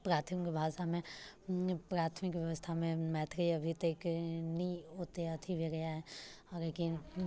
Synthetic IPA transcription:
pɾaːt̪ʰəmkebʱaːʃamẽ | pɾaːt̪ʰmɪkʋjɐʋəst̪ʰamẽmɛːt̪ʰɾiɐbʱit̪əknɐĩɦoːt̪eɐt̪ʰibʱeɡɐjaɦɛɔːɾekin

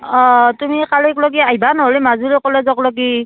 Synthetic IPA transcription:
ɔtumikalikloɡiajbanɔɦolimazuɹɛkɔlɛzɔklɔɡi

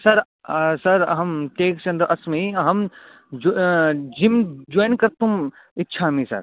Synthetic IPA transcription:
sɐɾ | sɐɾɦɐmʈeːkt͡ʃɐ̃nd̪əɾʔɐsmeiɦɐm | d͡ʒimd͡ʒoːjnkɐɾt̪um | ɪtːʃʰaːmĩsɐ̰ɾ

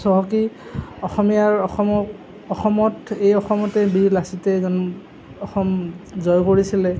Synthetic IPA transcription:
sɔɦɔkiɔxɔmijaɹ | ɔxɔmɔtejɔxɔmɔtɛbiɹlasitɛzɔn | ɔxɔmzɔjkoɹisilɛ

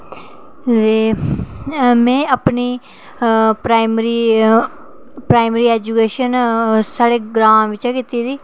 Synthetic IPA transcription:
d̪eː | mɛ̃ːapniː | pɾaːɪmɾiː | pɾaːɪmɾiːɛːd͡ʒuːkeːʃənsaːɽeːɡɾãːmʋɪt͡ʃɛːkit̪iːd̪iː

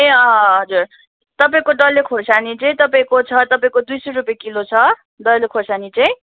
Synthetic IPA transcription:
ɦeʌɦʌd͡zur | t̪ʌpaĩkoɖʌlekʰosanit͡saĩt̪ʌpaĩkot͡sʰʌt̪ʌpaĩkod̪ujsʌjɾupjekilot͡sʰʌ | ɖʌllekʰosanit͡saĩ

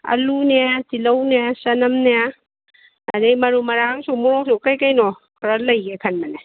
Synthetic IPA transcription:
ɐ̰luneatilɐwnejasɐnɐmneja | ɐ̰dejmɐɾumɐɾaŋsumuɾɔsukɐjkajnɔ | kʰɾɐlɐjɡekʰɐnmɐne

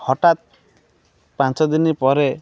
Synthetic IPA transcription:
hɔʈat̪̚ | pãnt͡ʃɔd̪inipɔɾe

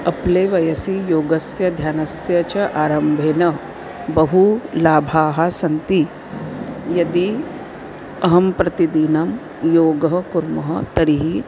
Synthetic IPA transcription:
ɐpleːʋɐjɐsijoːɡɐsjɐd̪ʱjaːnɐsjɐt͡ʃɐʔaːɾɐmbʱeːnɐ | bɐɦulaːbʱaːɦɐsɐnt̪i | jɐd̪i | ɐɦɐmpɾɐt̪id̪iːnɐm | joːɡɐɦɐkuɾmɐɦɐt̪ɐɽiɦi

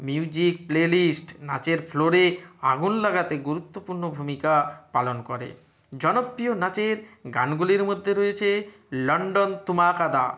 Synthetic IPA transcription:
miud͡ʑik̚plelisʈna̰t͡ɕeɾfʰloɾeaɡunlaɡat̪eɡuɾut̪ːopuɾnobʱumikapalonkoɾḛ | d͡ʑɔnopːɾionat͡ɕeɾɡa̰nɡuliɾmod̪ʱːeɾoet͡ɕʰe | lɔɳɖont̪umakad̪a

